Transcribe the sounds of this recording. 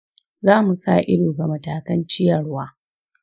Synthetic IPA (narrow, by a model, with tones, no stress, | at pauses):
zaː˦mu˨sa˦˨ʔɪ̰˦ɽoː˨ɡa˨mɐ˨taː˨kɐ˦nt͡ʃɪ˦jɐ˨ɽwaː˦